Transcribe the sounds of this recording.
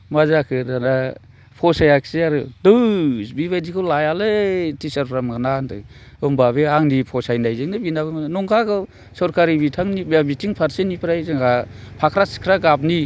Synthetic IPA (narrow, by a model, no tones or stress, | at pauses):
mazakʰɯɾdana | pʰɔsajakseaɾɯdɯsbibajdikʰɯwlajalɯtisaɾpʰɾamɡanantɯ̰ | ɯmbabeaŋnipʰɔsajnajzɯŋnɯbinaβɯmananɔŋkʰakʰɯw | sɔɾkaɾibitʰaŋniabitiŋpʰaɾsenipʰɾajzɯŋɡa | pʰakʰɾasi̥kʰɾaɡap̚ni